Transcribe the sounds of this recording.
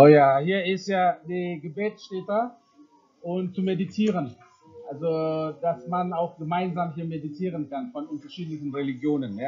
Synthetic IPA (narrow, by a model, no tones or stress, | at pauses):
ʔoːjaːhiːɐɪstjaːdeːɡəbɛːt͡sʃtɛːtɐ | ʔʊmt͡sumeditʰiːʁ̞ən | ʔʔalzod̥asmanaʊxɡ̥əmaɪnzaːmɦiːɐmeditʰiːʁənkanfɔnʊntɐʃiːtlɪçn̩ʁeliɡjoːnənjaː